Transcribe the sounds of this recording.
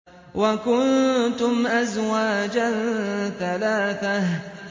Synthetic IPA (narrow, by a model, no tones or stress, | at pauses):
wakʊnt̪ʊmʔazwaːd͡ʒanθalaːθah